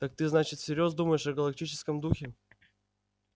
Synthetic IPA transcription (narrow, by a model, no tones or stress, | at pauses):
t̪ak̚t̪ɨznat͡ɕɪt̪sʲɪɾʲo̞zd̪uməjɪʂɐɡəlˠɐk̚t̪ʲit͡ɕɪskəmd̪uxʲɪ